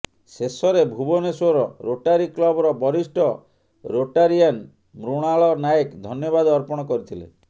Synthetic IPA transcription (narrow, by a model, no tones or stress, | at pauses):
sesɔɾebʱubɔnesoɾɔɾoʈaɾiklɔbɔɾɔbɔɾisʈɔ | ɾoʈaɾian | mɾuɽ̃aɭɔnajekd̪ʱɔnjɔbad̪ɔɾpɔɽ̃ɔkɔɾit̪ʰilḛ